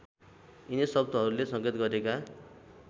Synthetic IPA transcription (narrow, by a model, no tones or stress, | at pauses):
inesʌbd̪ʌɦʌɾulesʌɡet̪ɡʌɾeka